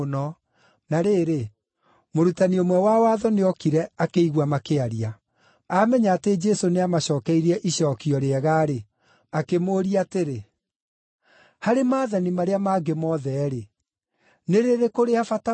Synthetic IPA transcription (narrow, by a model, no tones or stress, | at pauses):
nɔ | naɾeːɾe | moɾutaniomwɛwawaːðɔneɔkiɾɛakeiɣwamakeaɾia | aːmɛɲaːted͡ʒɛsoneamaɕɔːkɛiɾɛʔiɕɔːkiɔɾeɛɣaɾe | akemoːɾiateɾe | haɾemaːðanimaɾeamaɡemɔðɛɾe | neɾeɾekoɾeafata